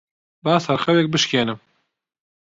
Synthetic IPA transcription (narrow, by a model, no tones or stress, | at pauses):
baːshɐɾxɛwɛk̚bɨʃkeːnɨm